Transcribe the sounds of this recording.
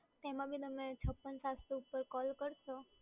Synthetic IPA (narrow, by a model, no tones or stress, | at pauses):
t̪emãbʱit̪əmet͡ʃʰəpːənsast̪uupːəɾkɔlkəɾt͡ʃʰo